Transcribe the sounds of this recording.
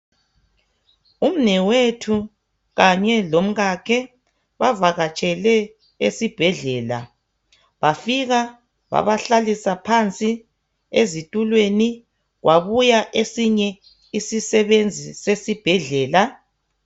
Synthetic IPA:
um̩nɛwetʰu | ɣaɲɛlom̩ɣakʰɛ | βavaɣat͡ʃʼɛlɛ | esib̥ʱɛɮɛːla̰ | βafiɣa | βa̰βaɬalisapʰant͡sʼi | ezitʼulweni | ɣwaβujaʔesiɲɛ | isisɛβend͡zʱisesib̥ʱɛɮɛːla

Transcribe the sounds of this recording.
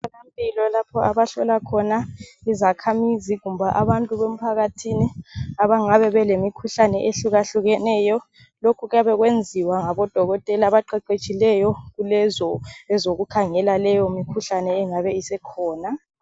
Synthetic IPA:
alampʼilɔlapʰɔaβaɬɔlakʰɔnaizakʰamiziɣumbʱaʔaβantʼuβem̩pʰaɣatʰiniaβaŋaβɛβɛlemikʰuɬanɛʔeɬuɣaɬuɣɛnɛːjɔ | lokʰuɣujaβɛɣwend͡zʱiwaŋaβɔd̥ʱɔɣɔtʼɛlaβaǃɛǃet͡ʃʼilɛjɔɣulɛzɔɛzoɣukʰaŋɛlalɛjɔmikʰuɬanɛːŋaβɛisɛkʰɔːna

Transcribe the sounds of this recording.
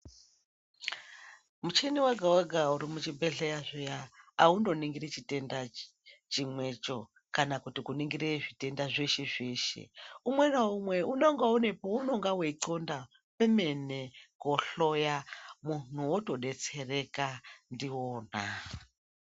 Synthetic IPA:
mut͡ʃeniwaɡʱawaɡʱauɾimut͡ʃibʱeɮejaʐejaaundo̞niŋɡiɾet͡ʃite̞nda | t͡ʃimwe̞t͡ʃo̞ | kanakutikuniŋɡiɾeʐite̞ndaʐeʃeʐeʃḛumwe̞naumwe̞unoŋɡaone̞pouno̞ŋɡaweiǀonda | pemenekoɬo̞jamun̥uwoto̞ɗe̞t͡sere̞kandioːna

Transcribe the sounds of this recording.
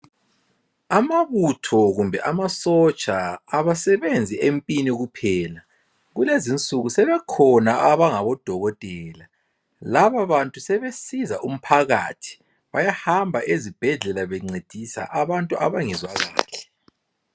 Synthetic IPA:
amaβutʰɔɣumbʱɛʔamasɔt͡ʃʼaːβasɛβend͡zʱiʔempʼiniɣupʰɛːla | ɣulezint͡sʼuɣusɛβɛkʰɔnaaβaŋaβɔd̥ʱɔɣɔtʼɛːla | laβaβantʼusɛβesizaʔum̩pʰaɣa̰ːtʰi̥ | βajahambʱaʔezib̥ʱɛɮɛlaβeŋ͡ǀed̥ʱisa̰ʔaβantʼuʔa̰βaŋɛzwaɣa̰ːɬɛ̥

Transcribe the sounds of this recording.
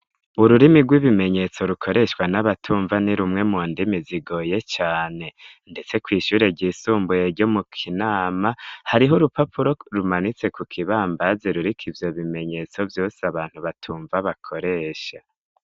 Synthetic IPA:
uɾuɾimiɡwiβime̞ɲe̞t͡so̞ɾukʰo̞ɾe̞ʃwanaβatʰuːɱvaniɾumŋe̞muːndimiziɡo̞ːje̞t͡ʃaːne̞ | nde̞t͡se̞kwiːʃuːɾe̞ɟiːsuːmbujeɾɟo̞mukʰinaːmahaɾiɦoɾupapuɾo̞ɾumanit͡se̞kukʰiβaːmbazeɾuɾikʰivjo̞βime̞ɲe̞t͡so̞vjo̞ːsaβaːn̥huβatʰuːɱvaβakʰo̞ɾe̞ːʃa

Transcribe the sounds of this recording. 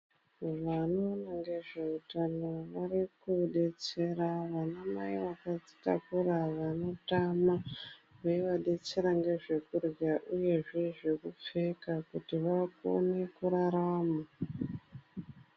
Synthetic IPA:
ʋanonaŋɡe̞ʐe̞utanoʋarikuɗe̞t͡se̞ɾaʋanamaiʋakad͡zi̥ta̰kuɾaʋano̞tamaweʋaɗe̞t͡se̞ɾaŋɡe̞ʐe̞kurjaʔuje̞ʐe̞ʐe̞kup͡fekakutiʋako̰ne̞kuɾaɾama

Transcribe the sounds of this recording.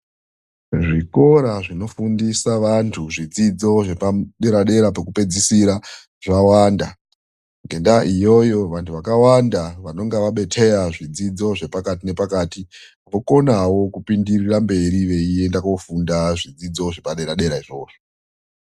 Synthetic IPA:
ʐiko̞ɾaʐino̞fundisaʋantʰuʐid͡zid͡zo̞ʐe̞paɗe̞ɾaɗe̞ɾapekupe̞d͡zisiɾa | ʐawaːnda | ŋɡe̞ndaʔijo̞jo̞ʋantʰuʋakawandaʋano̞ŋɡeʋaɓe̞tʰe̞ɾaʐid͡zid͡zo̞ʐe̞pakatine̞pakaːti | boko̞nawo̞kupindirirambe̞ɾiʋe̞ie̞ndakofundaʐid͡zid͡zo̞ʐe̞paɗe̞ɾaɗe̞ɾaiʐo̞̰ːʐo

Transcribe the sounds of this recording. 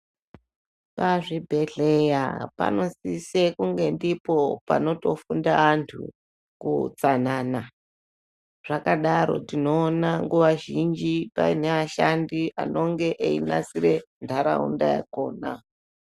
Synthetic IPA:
paʐibʱe̞ɮejapa̰no̞sisekuŋɡe̞ndipopano̞to̞fundaantʰṵ | kṵt͡sanaːna | ʐ̥akaɗaɾo̞̰tino̞ːnaŋɡuʋaʒind͡ʒipa̰ineʋaʃandiʔa̰no̞ŋɡe̞ʔeina̰sire̞ntʰaɾa̰ṵndaja̰ko̞ːna̰

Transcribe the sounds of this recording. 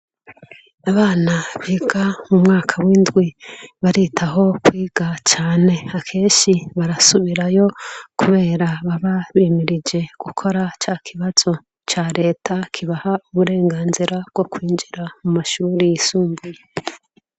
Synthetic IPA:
aβaːnaβiːɡamumŋaːkʰawiːndɡwiβaɾitʰaɦo̞kwiːɡ̥at͡ʃaːne̞akʰe̞ːnʃiβaɾasuβiɾajo̞kuβe̞ːɾaβaβaβiːmiɾid͡ʒe̞ɡ̥ukʰo̞ɾat͡ʃakʰiβaz̥o̞ | t͡ʃaɾe̞ːtʰakʰiβahauβuɾe̞ːŋɡaːnziɾab̥̚ɡ̥o̞kwiːnd͡ʒiɾamumaʃuːɾijisuːmbuje

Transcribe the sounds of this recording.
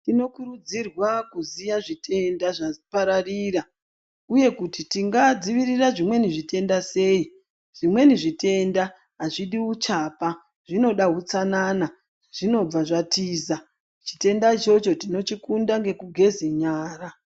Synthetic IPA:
tino̞kuɾud͡zirwakuzijaʐitʰe̞ndaʐapaɾariːra | uje̞kutitiŋɡad͡ziʋiriraʐimwe̞niʐite̞ndase̞ːi | ʐ̥imwe̞niʐite̞nda | ɦaʐiɗiut͡ʃapa | ʐ̥ino̞ɗaɦut͡sanaːna | ʐ̥ino̞b͡vaʐatiːza | t͡ʃi̥te̞ndat͡ʃo̞t͡ʃo̞tino̞t͡ʃikundaŋɡe̞kuɡʱe̞zeɲaːra

